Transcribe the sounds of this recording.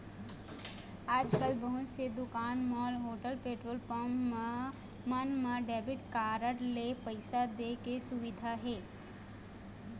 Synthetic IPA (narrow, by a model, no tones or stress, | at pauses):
aːd͡ʒkəlbəɦʊt̪sed̪ʊkaːnmɔːlɦoːʈəlpeːʈɾoːlp | mənmãɖɛːbɪʈkaːɾəɽlepəɪsad̪eːkesʊʋɪd̪ʱaɦɛː